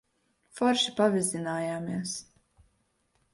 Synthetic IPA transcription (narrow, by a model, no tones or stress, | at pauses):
fɔɾʃi̥pavizinaːjaːmiɛs